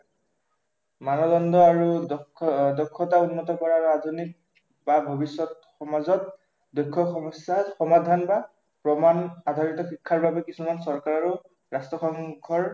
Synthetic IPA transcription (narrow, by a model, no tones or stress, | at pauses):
manɔdɔndɔaɹu | dɔkʰːɔtaunːɔtɔkɔɹaadʱunik̚ | babʱɔbisːɔt̚ | xɔmazɔt̚ | dojkʰːɔxɔmɔsaxɔmadʱanba | pɹɔmanadʱaɹitɔxikʰːaɹbabɛkisumansɔɹkaɹaɹu | ɹastɹɔxɔŋɡʱɔɹ